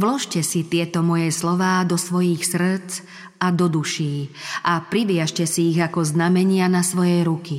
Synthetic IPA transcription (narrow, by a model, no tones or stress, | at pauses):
ʋlɔʃcɛsit̪ɪɛt̪ɔmɔjɛslɔʋaːd̪ɔsʋɔjixsr̩t͡s | ad̪ɔd̪uʃiːʔapɾiʋɪaʃcɛsiːɣakɔznamɛɲɪanasʋɔjɛjɾuki